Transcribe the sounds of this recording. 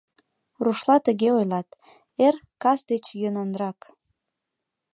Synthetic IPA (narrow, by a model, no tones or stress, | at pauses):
ruʃlɑt̪əɣeojlɑt̪ | erkɑsd̪et͡ɕjønənrɑk